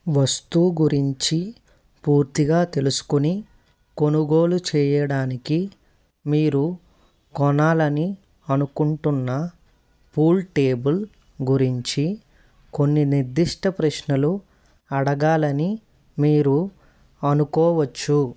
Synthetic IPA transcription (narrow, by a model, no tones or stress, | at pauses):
ʋɐst̪uːɡuɾiɲt͡ʃi | puːɾt̪iɡaːt̪e̞lusu̥kuni | ko̞nuɡo̞ːlut͡ʃɛːjɐɽaːniki | miːɾu | kɔnaːlɐni | ɐnukuɳʈunːɐ | puːlʈeːbul | ɡuɾiɲt͡ʃi | ko̞nːiniɾd̪iʂʈɐpɾɐʂnɐlu | ɐɽɐɡaːlɐni | miːɾu | ɐnukɔːʋɐt͡ʃːu